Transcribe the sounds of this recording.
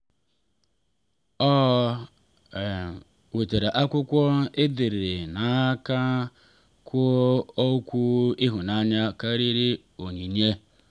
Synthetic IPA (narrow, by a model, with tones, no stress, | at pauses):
ɔ˦˨ | we˨te˨ɾe˨ʔa˦kʷʊ˦kʷɔ˦ɪ˦dɪ˨ɾɪ˨na˨˦ka˦ | kʰʷʊ˦o˦kʷu˦ɪ˦ɦʊ˨na˦ɲa˦ka˦ɾi˦ɾi˦ | o˨ɲi˨ɲe˦